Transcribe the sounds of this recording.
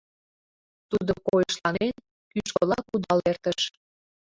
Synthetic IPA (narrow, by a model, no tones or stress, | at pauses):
t̪ud̪okojəʃlɑnen | kyʃkolɑkud̪ɑlert̪əʃ